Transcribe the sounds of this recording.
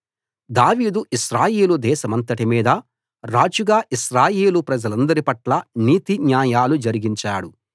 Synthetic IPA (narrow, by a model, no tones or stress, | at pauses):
d̪aːʋiːd̪uʔiʃɾaːjeːlud̪ɛːʃɐmɐnt̪ɐʈimiːd̪ɐ | ɾaːd͡ʒuɡaːʔiʃɾaːjeːlupɾɐd͡ʒɐlɐnd̪ɐɾipɐʈlɐniːt̪injaːjaːlud͡ʒɐɾiɡiɲt͡ʃaːɽu